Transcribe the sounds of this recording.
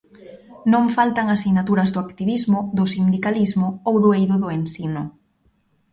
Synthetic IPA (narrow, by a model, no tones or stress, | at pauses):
nõɱfalt̪aŋasinat̪uɾɐzðʊakt̪iβizmʊðʊsind̪ikalizmʊowðʊejðʊðʊensinʊ